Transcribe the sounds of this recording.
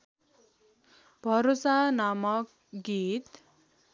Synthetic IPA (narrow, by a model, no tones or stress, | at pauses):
bʱʌɾosanamʌk | ɡit̪